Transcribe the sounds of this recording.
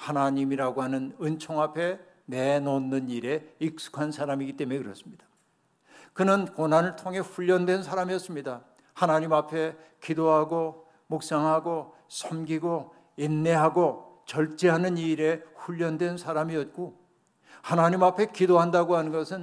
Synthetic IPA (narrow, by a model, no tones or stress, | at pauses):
hanaɲimiɾaɡoɦanɯnɯnt͡ɕʰoŋapʰe̞ | ne̞nonːɯniɾe̞ik̚s͈u̥kʰansʰaɾamiɡit͈e̞mekɯɾʌs͈ɯmɲid̥ḁ | kɯnɯnkonɦanɯɭtʰoŋɦe̞ɸuʎːʌndwe̞nsʰaɾamiʌts͈ɯmɲida | hanaɲimapʰe̞kidoɦaɡo | mok̚s͈aŋɦaɡo | sʰʌmɡiɡo | inːe̞ɦaɡot͡ɕʌɭt͡ɕ͈eɦanɯniɾe̞ɸuʎːʌndwe̞nsʰaɾamiʌt̚k͈o | hanaɲimapʰe̞kidoɦandaɡoɦanɯnɡʌsʰɯn